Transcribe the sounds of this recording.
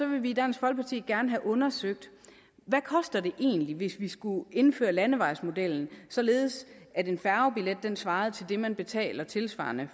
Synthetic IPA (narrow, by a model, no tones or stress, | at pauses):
sɒ̽ʋe̝lʋiːd̥ænsɡ̥fɒ̽l̚pʰɑt͡sʰḭːɡ̥æɐnəɦæʔɔ̽nɐsøɡ̥̚d̥ | ʋækʰɒ̽sd̥ɐd̥e̝ʔe̝̰ːnliʋe̝sʋisɡ̥ue̝nfø̰ːɐlænəʋɑ̈ɪsmo̝d̥el̰n̩sɒ̽le̝ːð̞̩ˠs | æde̝nfæɐʊb̥iled̥̚ːensʋɑ̈ːð̞̩ˠt͡sʰe̝ld̥e̝mænb̥e̝t͡sʰɛ̰ːlɐt͡sʰe̝lsʋɑ̰̈ːnə